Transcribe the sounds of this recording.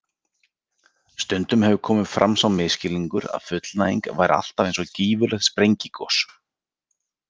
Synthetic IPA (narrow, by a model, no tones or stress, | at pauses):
st̪ʏnt̪ʏmhɛvʏkʰɔːmʏðfɾʔa̰msawmɪðscɪliŋkʏɾa̰ðfʏt̪lnaiŋkva̰jɾa̰l̥t̪avejnsɔciːvʏlɛxt̪spɾejɲcikʰɔs